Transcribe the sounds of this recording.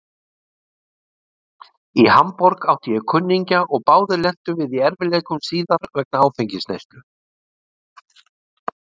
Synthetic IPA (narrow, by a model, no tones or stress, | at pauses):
ihampɔɾkawht̪ɪjɛɣkʰʏnːiɲcaʔɔɣpaːwðɪlɛn̥t̪ʏvɪðiɛɾvɪlejkʏmsiːðaɾvɛk̚naaːwfejɲcɪsnḛjst̪ʏ